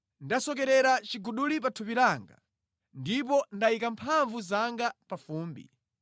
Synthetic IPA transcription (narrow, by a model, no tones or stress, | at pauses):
ndasɔkɛɾɛɾat͡ʃiɡuɗulip̬atʰupiɾaŋɡa̰ | ndip̬ɔndaikampʰaɱvuzaŋɡapafuːmbḭ